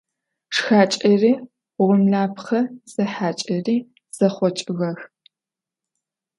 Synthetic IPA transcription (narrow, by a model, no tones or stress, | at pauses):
ʂxaːt͡ʃʼɐriː | ʊʁʷʊmɮaːpʰχɐz̥ɐħaːt͡ʃʼɐriː | z̥ɐχʷɔt͡ʃʼɨɣɐx